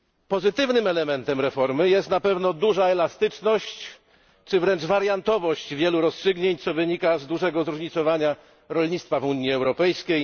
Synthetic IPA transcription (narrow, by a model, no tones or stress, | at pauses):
pɔzɘt̪ɘvnɘmɛlɛmɛnt̪ɛmɾɛfɔɾmɘjɛst̪napɛvnɔd̪uʐaɛlast̪ɘt͡ʂnɔɕt͡ɕ | t͡ʂɘvɾɛnd͡ʐvaɾjant̪ɔvɔɕt͡ɕvʲjɛluɾɔstʂɘɡɲeɲt̪sɔvɘɲikazd̪uʐɛɡɔzɾuʐɲit̪sɔvaɲa | ɾɔlɲit̪st̪favuɲiɛwɾɔpɛjskʲej